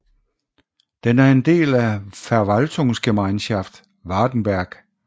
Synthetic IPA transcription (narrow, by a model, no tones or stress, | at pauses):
d̥enæɐe̝nd̥e̝̰ːlæfæɐʋælt͡sʰɔŋsɡ̥emɑ̈ɪnɕɑfd̥ | ʋɑ̈ːd̥n̩b̥æɐɡ̥